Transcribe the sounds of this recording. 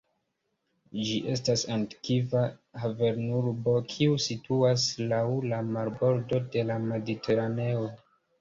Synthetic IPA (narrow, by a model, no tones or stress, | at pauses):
d͡ʒiʔe̞s̬tasanti̥kivahave̞ɾnuɾbo̞kʰiusituaslawlamaɾbo̞ɾdo̞de̞lame̞ditʰe̞ɾane̞o̞